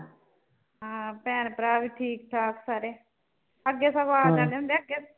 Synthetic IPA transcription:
ɦãːpɛːnpɾaːʋiːʈʰiːkʈ̪ʰaːksaːɾeː | əɡːeːsəʋaːld͡ʒ̪and̪ẽːnd̪eːəɡeː

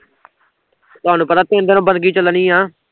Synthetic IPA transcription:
t̪ʊɦaːnuːpət̪aːt̪ẽnd̪eːnõːbənɡiːt͡ʃələnĩːɦãː

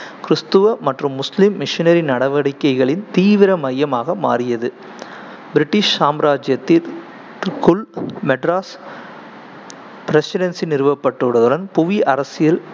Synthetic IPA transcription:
kɪɾɯst̪ɯʋɐmɐʈrɯmːʊslɪmːɪʂɪnɐɾɪnɐɽɐʋɐɽɪkːɐɪɣɐɭɪnt̪iːʋɪɾɐmɐjːɐmaːɣɐmaːɾɪjɐðɯ | bɪɾɪʈːɪʂsaːmɾaːd͡ʒjɐt̪ːɪl | kʊlmɛʈɾaːs | pɪɾɛsɪɾɐnsinɪɾɯʋɐpːɐʈːɯɽɐðɯɽɐnpʊʋiʔɐɾɐsɪjɐl

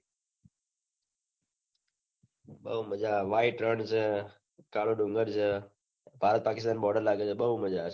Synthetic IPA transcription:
ɓəɦuməd͡ʒaːʋaːɪʈɾəɳɖt͡ʃʰeː | kaːloːɖʊŋɡəɾt͡ʃʰeː | bʱaːɾət̪̚paːkɪst̪aːnɓɔːɖəɾlaːɡeːt͡ʃʰeːɓəɦuməd͡ʒaː

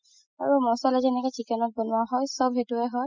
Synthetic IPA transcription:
aɹumɔsalɛzɛnɛkɛt͡ʃikɛnɔt̚bɔnʊaɦɔjsɔbɦetuɛɦɔj

